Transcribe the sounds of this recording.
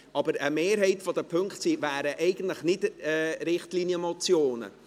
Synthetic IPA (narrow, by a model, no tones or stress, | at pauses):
ʔɑbəɾəmeːɾɦɛɪtfɔdəpʰɵŋkχtsiːvæːɾəʔɛɪɡ̥ən̩tləχnɪdɛːɾɪχtliːnjəmɔt͡sjoːnə̰